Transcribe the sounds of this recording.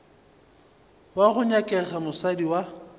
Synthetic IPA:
waɣʊɲakʼɛɣamʊsadiwa

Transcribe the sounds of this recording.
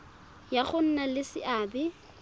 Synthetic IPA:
jaχʊn̩nalɪsɪʔaːbɪ

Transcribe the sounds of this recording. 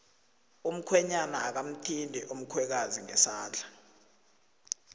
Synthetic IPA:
um̩kʰwɛɲanaːk̬am̩tʰindʱɛʔum̩kʰwɛk̬aziŋɛsaːnd͡ɮʱa

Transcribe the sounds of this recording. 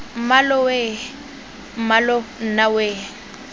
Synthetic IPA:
m̩malʊwe | m̩malɔn̩naweː

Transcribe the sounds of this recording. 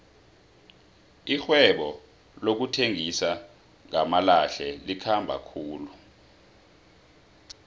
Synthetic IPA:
ixwɛɓɔ | lok̬utʰeŋisa | ŋamalaɬɛlikʰambʱa̰kʰuːlu

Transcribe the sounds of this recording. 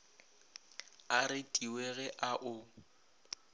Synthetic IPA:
aɾɪtʼiweɣɛʔaʔʊ

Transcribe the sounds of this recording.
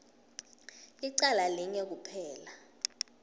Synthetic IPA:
iǀalaliŋɛk̬upʰɛːla

